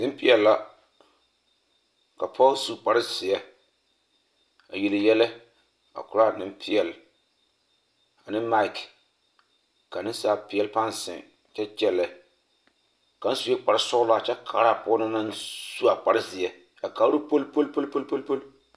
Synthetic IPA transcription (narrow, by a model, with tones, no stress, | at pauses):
nɪ˦m˦pɪ˦ɛ˨lla˦ | ka˨pʰɔ˦su˦k͡pa˨ɾɪ˦sɪ˨jɛ˦ | a̰˨ji˨lɨ˨jɛ˦lɛ˦ | a̰˨kʊ˨ɾa˦nɪ˦mpʰɪ˦jɛ˨l | a˨nɪ˦ma˦i˨k | ka˨nɪ˦n˦saː˦pɪ˦ɛ˦lpa˦n˨sɪ̰̃˨ŋ˨ | t͡ʃɛ˦t͡ʃɛ˦lɛ˨ | ka˨˦n˦su˨jɛ˦k͡pa˨ɾɪ˦sʊ˦ɡla˨t͡ʃɛ˦kʰa̰ː˨˦ɾa˦˨pɔː˦nɨ˦na˦nsu˦a˨k͡pa˨ɾɪ˦zɪ˨ɛ˨ | a˨ka˦ɾu˦po˦lpo˦lpo˦lpo˦lpo˦lpo˦l